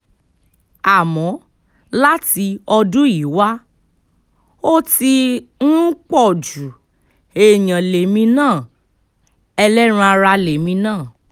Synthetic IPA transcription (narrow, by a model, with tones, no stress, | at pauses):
a˨mɔ̃˨˦ | la˦ti˧ɔ˧dũ˦i˨˦wa˦ | o˦ti˧nũ˦k͡pɔ˦˨d͡ʒu˨ | e˨j̃ã˨le˨mĩ˧˦nãː˦˨ | ɛ˧lɛ˦ɾ̃ã˧˦a˧ɾa˧le˨mĩ˧nãː˦˨